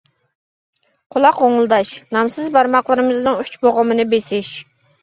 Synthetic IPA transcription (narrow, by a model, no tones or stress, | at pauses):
qʰʊlˠɑqoŋlˠd̪ɑʃnɑmsɨzbɑɾmɑqlˠɨɾɨmɨznɨŋyt͡ʃboʁʊmɨnɨbesɪʃ